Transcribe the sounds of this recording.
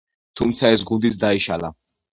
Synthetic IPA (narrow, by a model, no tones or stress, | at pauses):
t̪ʰumt̪sʰaɛsɡund̪it̪sd̪aiʃala